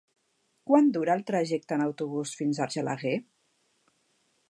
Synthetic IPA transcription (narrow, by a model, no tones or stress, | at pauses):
kwand̪uɾaːlˠt̪ɾəʒɛk̚t̪ənəwt̪uβ̞usfinzaɾʒəla̰ɣe